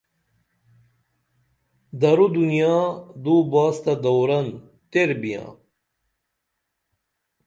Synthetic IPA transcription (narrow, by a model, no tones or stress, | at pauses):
d̪ɐɾud̪unijaːd̪uːbaːst̪ɐd̪ɐwɾɐn | t̪eɾbijã̰ː